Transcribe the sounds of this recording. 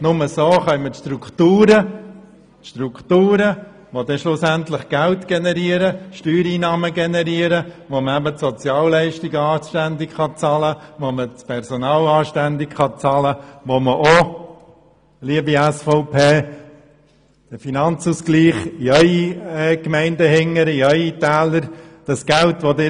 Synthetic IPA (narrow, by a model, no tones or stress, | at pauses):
nʊməsoːχœmətʃtrukt̪uːɾə | tʃtruktuːɾə | ʋodɛʃlʊsæntlɪχɡ̥æltɡ̥ɛnɛɾiəɾəʃtyːɾiːnɑːməɡɛnɛɾiəɾəʋoməæbətsɔt͡sjɑːllɛɪʃtɪɡəɑːʃtændɪkχɑt͡sɑləʋomət͡spʰɛrsɔnɑːlɑːʃtændɪkχɑt͡sɑləʋoməʔo | liəbiæsfɔʊpʰeː | d̥əfinɑnt͡suːsɡ̥liːχiœʏiɛkmɛɪndəhɪŋːəɾiœʏitæːləɾd̥ɑsɡ̥æltʋodɪ